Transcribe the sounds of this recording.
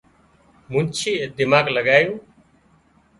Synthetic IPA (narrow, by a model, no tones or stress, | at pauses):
mʊ̃nt͡ʃʰiːed̪ɪmaːɡləɡaːjũː